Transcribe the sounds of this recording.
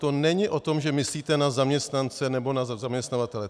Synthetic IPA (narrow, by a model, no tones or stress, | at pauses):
t̪o̞nɛɲɪʔo̞t̪o̞mʒɛmɪsliːt̪ɛnazamɲɛst̪nant͡sɛnɛbo̞nazazamɲɛst̪navat̪ɛlɛ